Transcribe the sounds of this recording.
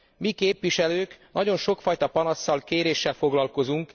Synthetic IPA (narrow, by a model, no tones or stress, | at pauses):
mikeːpʋiʃɛløːknɒɟo̞nʃo̞kfɒjt̪ɒpɒnɒsːɒlkeːɾeːʃːɛlfo̞ɡlɒlko̞zuŋk